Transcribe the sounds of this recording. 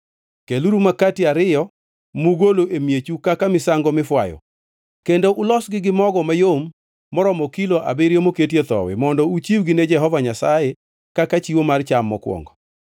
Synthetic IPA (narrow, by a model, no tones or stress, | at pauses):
keluɾumakatiaɾɪjɔ | muɡoloʔemjet͡ʃukakamɪsaŋɡɔmɪfwajɔ̰ | kendoʔʊlɔsɡɪɡɪmɔɡɔmajomː | ɔɾɔmɔkiloʔa̰beɾjomoketjet̪ɔ̰wɛ̰mɔndɔut͡ʃiwɡɪned͡ʒɛɦɔvaɲasaje | kakat͡ʃiwomart͡ʃamːɔkwɔ̰ŋɡɔ